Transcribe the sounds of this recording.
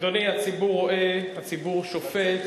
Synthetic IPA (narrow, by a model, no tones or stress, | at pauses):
d̪onihat͡sibuʁoʔehat͡sibuʁʃofet̪